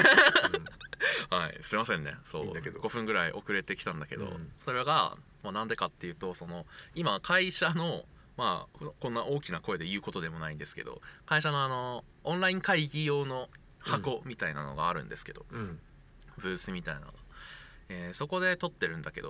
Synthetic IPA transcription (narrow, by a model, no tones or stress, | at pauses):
haisɨimasẽ̞nːe̞̰so̞̰ːɡo̞ɸɯ̟̃ŋɡɯ̟ɾaiʔo̞kɯ̟ɾe̞t̪e̞kʲi̥t̪ãnd̪ake̞d̪o̞̰so̞ɾeaɡa̰ | manãnd̪e̞kat̪ːe̞jɯ̟ːt̪o̞so̞no̞imakʰaiɕano̞ | ma̰kõ̞nːaʔo̞ːkʲinako̞e̞d̪e̞jɯ̟ːko̞t̪od̪e̞mo̞naĩnd̪e̞sɨ̥ke̞d̪o̞̰kaiɕano̞ano̞ | õñɾaĩŋkaiɡʲijo̞ːno̞ | hako̞mʲit̪aina̰no̞̰ɡaːɾɯ̟̃nd̪e̞sɨ̥ke̞d̪̥o̞̰ | bɯ̟ːsɨmʲit̪aina̰ɡa | eːso̞ko̞d̪e̞t̪o̞t̪ːe̞ɾɯ̟̃nd̪ake̞d̪o̰